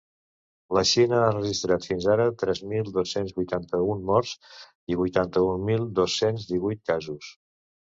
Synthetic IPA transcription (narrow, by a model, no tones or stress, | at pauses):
ləʃinəarəʒist̪ɾat̪finzaɾət̪ɾɛzmilˠd̪osenzβujt̪ant̪əunmɔrz̥ | iβujt̪ant̪əunmilˠd̪osːenzd̪iβujt̪̚kazus